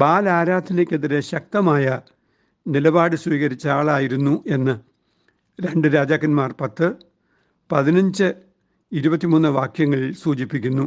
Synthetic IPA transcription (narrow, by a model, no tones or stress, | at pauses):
baːlaːɾaːd̪ʰʱinekʲːeðiɾeɕɐk̚t̪ɐmaːjɐ | nilɐbaːɽɨswiːɣɐɾit͡ɕːɐaːɭaːjiɾunːuʔe̞nːɨ | ɾe̞ɳɖɨɾaːd͡ʑaːkːɐnmaːrpɐt̪ːɨ | pɐðinɐɲd͡ʑɨ | iɾubɐt̪ːimunːɨʋaːkʰjɐŋːɐɭilsuːt͡ɕipːikʲːunːu